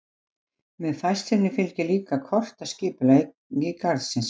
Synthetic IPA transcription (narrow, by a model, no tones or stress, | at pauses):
mɛðθajst̪ɪnɪfɪlcɪliːkakʰɔr̥t̪ascɪːpʏla | jɪkaɾðsɪns